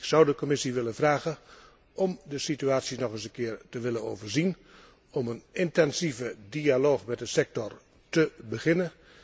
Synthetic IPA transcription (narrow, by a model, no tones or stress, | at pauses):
ksʌwdəkɔmɪsiʋɪlənvraːɣə | ʔɔmdəsityaːtsjinɔχəsənkɪːrtəʋɪləno̰wvərzin | ɔmənɪntɛnsivədialoːxmɛt̚dəsɛk̚tɔr | təbəχɪnə